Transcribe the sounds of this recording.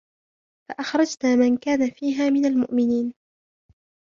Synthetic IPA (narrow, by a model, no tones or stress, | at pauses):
faʔaxɾˤɑd͡ʒt̪amankaːnafiːɦaːmɪnalmʊ̰ʔmɪniːn